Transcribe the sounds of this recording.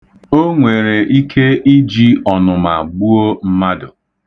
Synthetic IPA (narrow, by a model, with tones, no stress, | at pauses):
o˦ŋʷe˨ɾe˨ʔi˦kʰe˦ʔi˦d͡ʒi˦ɔ˨nʊ˨ma˨ɡ͡bu˦o˦m̩˦ma˦dʊ˨